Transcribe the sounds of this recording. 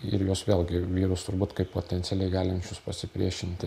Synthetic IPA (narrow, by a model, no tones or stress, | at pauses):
ɪ̰ɾjoːsʋʲeːlʲˠɡʲɪʋʲiːɾʊst̪ʊɾbuːt̪kɐɪppoːt̪ʲɛnt̪sʲɛlʲɛɪɡɑːlʲɪnʲt͡ʃʲʊspɐsʲɪpʲɾʲiɛʃʲɪnʲt̪ʲɪ